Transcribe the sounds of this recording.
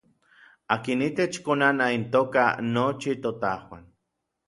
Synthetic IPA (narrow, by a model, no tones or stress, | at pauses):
akinit̪et͡ʃkonanaint̪oːka̰not͡ʃit̪ot̪ahwa̰n